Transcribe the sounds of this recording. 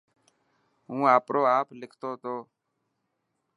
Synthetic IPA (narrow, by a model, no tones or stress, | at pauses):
ɦũːaːpɾoːaːplɪkʰt̪oːt̪oː